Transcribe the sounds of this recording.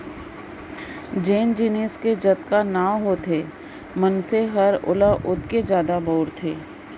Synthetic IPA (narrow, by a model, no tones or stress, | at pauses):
d͡ʒeːnd͡ʒineːsked͡ʒɐt̪kanaːʋɦot̪ʰeː | mənseɦɐɾʊ̰laʔʊt̪ked͡ʒjaːd̪abɔːɾt̪ʰḛː